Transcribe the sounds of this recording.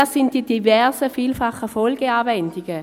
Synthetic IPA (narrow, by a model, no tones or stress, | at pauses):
asɪnt̚d̥id̥ivɛɐsəfiːlfɑχəfɔlɡəaːvɛndɪɡ̥ə